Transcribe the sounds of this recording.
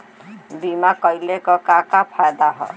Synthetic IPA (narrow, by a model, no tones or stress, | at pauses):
bimakʌjlekɔkakapʰajd̪aɦɔ̰